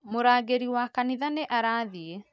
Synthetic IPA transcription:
moɾaːɡeɾiwakaniðaneʔaɾaːðie

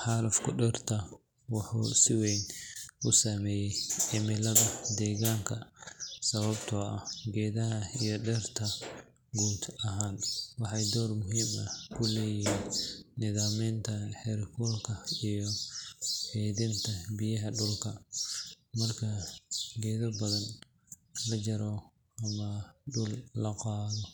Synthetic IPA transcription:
ħɑːlɐfkʰʊɖɛrt̪ʰɐ | wɑħṵːsɪwɛjnʔʊsɐmɛːjɛjʔɪmɪlɐðɐd̪ɛːɣaːŋkʰɐsɐβɐbt̪ʰɔɐɡɛːðɐɦɐijɔɖɛːrt̪ʰɐ | ɡuːd̪ɐɦaːnwɑħɑjd̪ɔːrmʊɦiːmɐkʰʊlɛːjiːnːɪðaːmiːnt̪ʰɐħɛɾkʰulkʰɐijɔ | hɛːðɪnt̪ʰɐbɪjɐɦɐɖʊlkʰɐ | mɐrkʰɐɡɛːðɐbɐðɐn | lɐt͡ʃɐɾɔ | ɐmɐɖʊlːɐqɑːðɔ

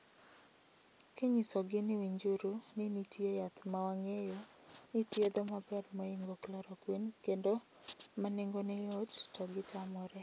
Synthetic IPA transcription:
keɲisɔɡɪnɪwiɲd͡ʒuɾunɪnitjejat̪mawaŋejo | nit̪jed̪ɔmabɛdmɔiŋɡoklɔɾɔkwinkendo | maneŋɡonɛjɔttɔɡɪtʰamɔɾɛ

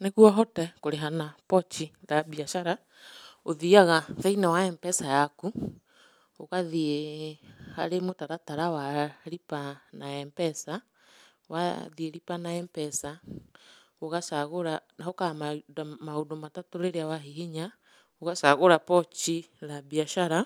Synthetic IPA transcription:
neɣuaɦɔtɛkoɾeɦanapɔt͡ʃiɾabiaʃaɾa | oðiaɣafainawaɛmpɛsajaku | oɣaðie | ha̰ɾemotaɾataɾawaɾipanaɛmpɛsa | wa̰ðieɾipanaɛmpɛsa | oɣasaɣoɾanaokamadamaondomatatoɾeɾeawaɦiɦiɲa | oɣasaɣoɾapɔt͡ʃi | labiaʃaɾa

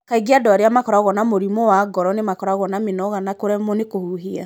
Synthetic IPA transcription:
kaiɡiadɔaɾeamakɔɾaɣɔnamoɾimɔwaɡɔɾɔnemakɔɾaɣɔnamenɔɣanakoɾɛmonekohuɦia̰

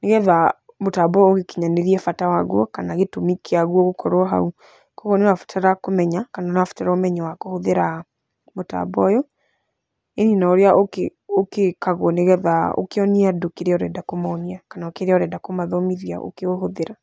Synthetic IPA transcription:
neɣɛða | motabɔoɣekiɲaneɾiɛfatawaɣɔkanaɣetomikiaɣwɔɣokʰɔɾoɔɦa̰u | kɔɣɔnewafu̥tʰaɾakomɛɲakananewafu̥taɾaomɛɲawakohoðeɾa | mota̰bɔjɔ | eninaoɾeaʔoke | okekaɣɔneɣɛðao̰keɔniadokeɾeɔɾɛdakomaɔniakanaokeɾeɔɾɛdakomaðɔmiðia̰ʔo̰keoɦoðeɾa

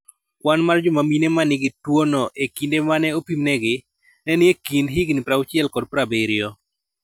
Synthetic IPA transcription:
kwanmard͡ʒʊmaminemanɪɡɪtwonɔʔekindemanɛopimnɛɡɪ | nɛnɪekindɦɪɡnɪpɾaʊt͡ʃɛlkɔdpɾabeɾɪo

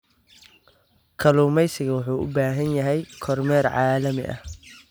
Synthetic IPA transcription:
kʰɐluːmɛjsɪɣɐwʊħuːʔʊ̰baːɦɐnjɐɦɛjkʰɔrmɛːrʕɑːlɐmɪ̰ʔɐ̰

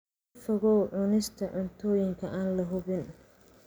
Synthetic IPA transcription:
fɐɣɔwʕʊnɪst̪ʰɐʕʊnt̪ʰɔːjɪŋkʰɐʔaːnlɐɦʊβɪn

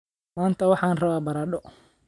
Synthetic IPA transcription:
maːnt̪ʰɐwɑħɑːnrɐβaːbɐɾaːɗɔ

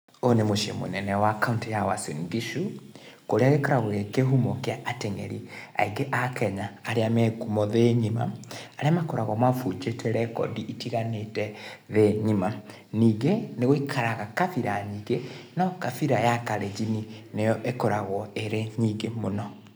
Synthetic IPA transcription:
onemoʃiḛmo̰nɛnɛwakauntijawasendiʃukoɾeaɣekɔɾaɣwekeɦumokeaʔateŋɛ̰ɾia̰iɡeʔakɛɲaːɾeamɛkumɔðeɲima̰aɾeamakɔɾaɣɔmafud͡ʒetʰɛɾɛkɔ̰diʔitiɣanetɛðeɲima | niːɡeneɣoikʰaɾaɣakafiɾaɲiɡenɔkafiɾajakaɾed͡ʒininejɔʔekɔɾaɣɔeɾeɲiɡemonɔ

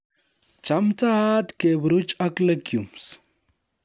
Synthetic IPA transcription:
t͡ʃamt͡saat̪kebɾʊt͡ʃakləkjums

